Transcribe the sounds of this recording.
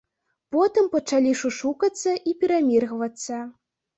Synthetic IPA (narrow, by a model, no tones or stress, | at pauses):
pɔt̪ɨmpɐt͡ʂalʲiʂuʂukɐt̪sːɐʔipʲiɾamʲirɣvɐt̪sːɐ